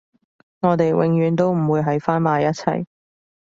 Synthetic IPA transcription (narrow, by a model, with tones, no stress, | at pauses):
ŋɔː˨˧t̪e˨jwʔɪ̰˧ŋjyː˨˧nt̪o˥wm̩˨˩wuː˨˧jɦɐ˨˥jfaː˥nmaː˨˧jɐ˥t̚t͡sʰɐ̰˨˩j